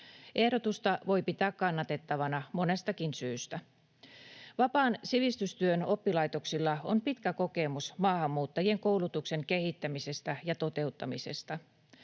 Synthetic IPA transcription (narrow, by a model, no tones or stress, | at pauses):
ʔe̞hɾot̪ust̪ɑʋo̞jpit̪æːkkɑnːɑt̪e̞t̪ːɑʋɑnɑmo̞ne̞st̪ɑkinsyːst̪æ | ʋɑpɑːnsiʋist̪yst̪yøno̞pːilɑjt̪o̞ksilːɑo̰mpit̪kæko̞ke̞musmɑːhɑmːuːt̪ːɑjieŋko̞wlut̪ukse̞ŋke̞hit̪ːæmise̞st̪æjɑt̪o̞t̪e̞ut̪ːɑmise̞̰st̪ɑ